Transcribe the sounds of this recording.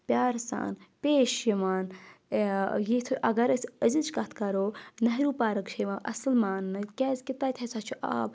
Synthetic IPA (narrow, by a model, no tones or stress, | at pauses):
pʲjaːɾsa̰ːnpeːʃjimaːn | jit̪ʰuʔɐɡɐɾɐsəzilt͡ʃʰkɐt̪ʰkɐɾoːnɐɦɾuːpaːɾɐkt͡ʃʰɐjmaːʔɐ̰slmaːnːɨkʲɛːzkit̪aːt̪ʲʰɐsat͡ʃʰuʔa̰ːb̚